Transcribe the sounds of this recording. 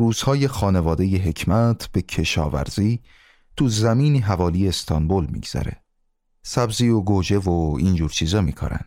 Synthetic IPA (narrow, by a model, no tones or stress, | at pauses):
ruːz̥hɒːje̞xɒːne̞vɒːd̪e̞jeɦe̞cʰmæt̪ʰb̥e̞cʰe̞ʃɒːvæ̰ɾz̥iː | t̪ʰuzæmiːniːɦævɒːlijest̪ʰɒnbolmḭːɡz̥æ̰ɾe̞̰ | sæbziːoɡod͡ʒe̞voiːnd͡ʒuːɾt͡ʃʰiːzɒːmiːkʰo̰ɾæ̰nd̪̥